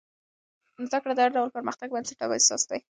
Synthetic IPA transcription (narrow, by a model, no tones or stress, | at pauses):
nʊzakɽad̪əaɾɖawlpəɾməxt̪aɡ̚banseʈɑbajsɑ̰sd̪aj